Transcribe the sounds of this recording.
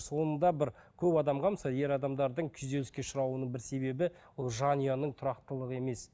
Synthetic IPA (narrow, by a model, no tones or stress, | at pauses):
so̞nənd̪ɑbɪɾkʲʰɵpɑd̪ɑmʁɑməsɑje̞ɾɑd̪ɑmd̪ɑɾd̪əɴkʲʰʏze̞lɪskʲe̞ʃʊɾɑwənəɴbɪɾse̞be̞bɪ | olˠʒɑnijɑnəɴt̪ʰʊɾɑq̚t̪əlˠəʁəe̞me̞s